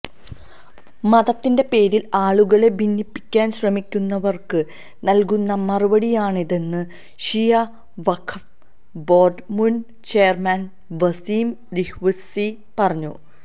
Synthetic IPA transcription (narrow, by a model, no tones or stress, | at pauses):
mɐðɐt̪ːinde̞pe̞ːɾilaːɭuɣɐɭe̞bʱinːipːi̥kʲːaːnɕrɐmikʲːunːɐʋɐrkɨ | nɐlkunːɐmɐrubɐɽijaːɳiðe̞nːɨ | ɕijɐ | ʋɐkʰɐf | bo̞ːɖmun | t͡ɕejɐrmaːn | ʋɐsiːm | ɾihʋɐsi | pɐrɐɲːṵ